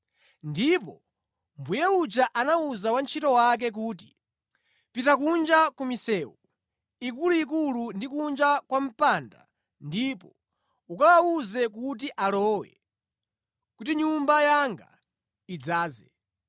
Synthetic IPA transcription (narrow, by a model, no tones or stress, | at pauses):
ndipɔ | mbujɛut͡ʃaʔanauzawant͡ʃʰitɔwak̬ɛk̬uːt̬i̥ | pitakund͡ʒakumisɛːwu | ikuluikulundikund͡ʒakwam̩panda̰ | ndipɔ | ukawauzɛk̬ut̬iʔalɔːwɛ̰ | kutiɲumbajaŋɡa̰ | id͡zaːzɛ